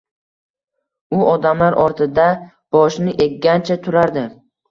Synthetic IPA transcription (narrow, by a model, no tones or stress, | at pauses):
ʊʔɒd̪amlaɾʔɒɾt̪ʰɪd̪a | b̥ɒʃnɪʔe̞kʲːant͡ʃʰat̪ʰʊɾaɾd̪ɪ